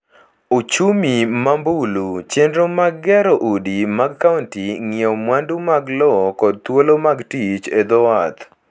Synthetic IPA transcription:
ot͡ʃumimambulut͡ʃendɾomaɡːɛɾoʔudimaɡkauntiŋɪɔmwandumaɡlɔkɔd̚t̪wolomaɡtit͡ʃed̪ɔat̪

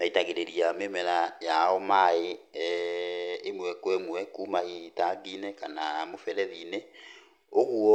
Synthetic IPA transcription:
maitaɣeɾeɾiamemɛɾajaɔmae | mwɛkwɛmwɛkuːmaitaɡiːnɛkanamofɛɾɛðine | oɣwɔ

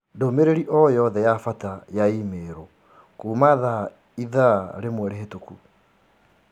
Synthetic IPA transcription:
domeɾeɾiʔɔjɔðɛjafatajaimeːɾɔ | kuːmaða | iðaɾemwɛɾeɦetuku

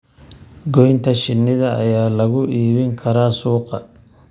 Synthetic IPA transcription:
ɡɔjnt̪ʰɐʃɪnːɪðɐɐjaːlɐɣʊʔiːβɪŋkʰɐɾaːsuːqɑ

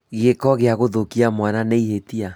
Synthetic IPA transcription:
ɣekɔɣeaɣoðokiamwananeihetia

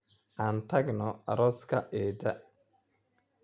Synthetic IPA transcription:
ʔant̪ʰɐɡnɔɐ̰ɾɔskʰɐʔɛːd̪ɐ

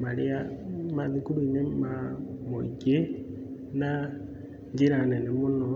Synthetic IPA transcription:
maɾeamaðikuɾuinemamoḭke | na | ɲd͡ʒiɾanɛnemonɔ

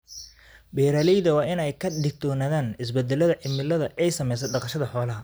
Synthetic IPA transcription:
bɛːɾɐːlɛjðɐwɑːɪnɛjkʰɐɖ̪ɪɡ̚t̪ʰɔːnaːðaːnɪs̬bɛd̪ɛlɐðɐʕɪmɪlɐðɐʔɛjsɐmɛjs̬ɐɖɑqɑʃɐðɐħɔːlɐɦɐ

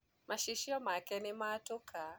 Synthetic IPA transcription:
maʃiʃiɔmakɛnimatukʰa

